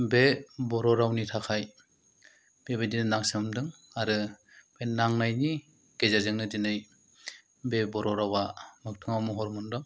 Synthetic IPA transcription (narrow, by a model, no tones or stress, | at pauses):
bebɔɾɔɾawnitʰakʰaj | b̥ebedinɯnaŋsɯmdɯŋ | aɾɯ | b̥enaŋnajni | ɡ̥ezazɯŋnɯdinɯj | bebɔɾɔɾawamɯk̚tʰɯŋawmɔɦɔɾmɔndɯŋ